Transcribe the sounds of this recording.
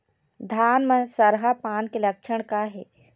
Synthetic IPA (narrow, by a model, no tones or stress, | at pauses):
d̪ʱaːnməsɐɾɦapaːnkelɐkʃəɽ̃kaɦɛː